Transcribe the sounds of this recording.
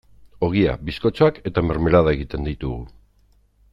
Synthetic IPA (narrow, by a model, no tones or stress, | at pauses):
o̞ɣ̞ia̰bisko̞t͡ʃoake̞t̪ame̞ɾme̞ɾað̞ae̞ɣ̞it̪e̞nd̪it̪uɣu